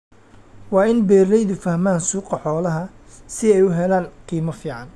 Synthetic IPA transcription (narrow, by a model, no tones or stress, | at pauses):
wɑːɪnbɛːrɛjðʊfɐhmaːnsuːqɐħɔːlɐɦɐ | sɪɛjʊɦɛlaːnqiːmɐfiːʕɑn